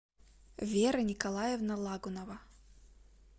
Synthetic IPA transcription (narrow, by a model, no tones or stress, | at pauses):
vʲeɾɨnʲɪkɐlˠajɛvnɐlˠaɡʊnɐvɐ